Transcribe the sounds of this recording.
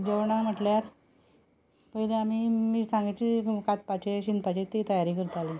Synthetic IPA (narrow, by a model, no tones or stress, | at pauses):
d͡ʑeʋɳam̤əʈljaɾ | pəɦileam̤iːmiːsãŋɡat͡ɕikat̪̚pat͡ɕeɕind̪pat͡ɕet̪it̪əjaɾiːkəɾət̪aliː